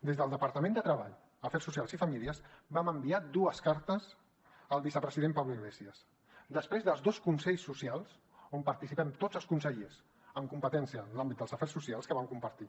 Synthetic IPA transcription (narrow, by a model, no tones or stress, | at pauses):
d̪ezðəlˠd̪əpəɾt̪əmẽnd̪ət̪ɾəβ̞a̰ʎ | əfɛrsus̬ialˠzifəmiliəzbaməmbiad̪uəskaɾt̪əz | əlˠβisəpɾəziðempawliɣlɛsiəs | d̪əspɾezðəlˠzdoskunsɛʎsːusialˠs | ompəɾt̪isipɛmt̪od͡zəlˠskunsəʎez | əŋkumpət̪ɛnsiənlambit̪d̪əlzəfɛrsːusialˠskəβamkumpəɾt̪i